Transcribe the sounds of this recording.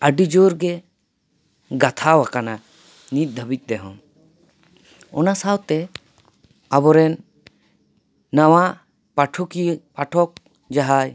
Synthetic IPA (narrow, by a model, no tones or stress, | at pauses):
əɖid͡ʒoɾɡɛ | ɡat̪ʰawakana | nit̪̚ˀd̪ʱəbic̪̚ˀd̪ɛɦɔ̰m | ɔnasawt̪ɛ | abɔɾɛn | awa | paʈʰukipaʈʰɔk̚ | d͡ʒaɦaj